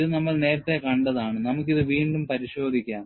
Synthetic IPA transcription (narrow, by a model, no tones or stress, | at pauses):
ðɨnɐmːɐɭne̞ːɾɐt̪ːe̞kɐɳɖɐðaːɳɨnɐmukːiðɨʋiːɳɖumpɐɾiɕo̞ːd̪ʱikʲːaːm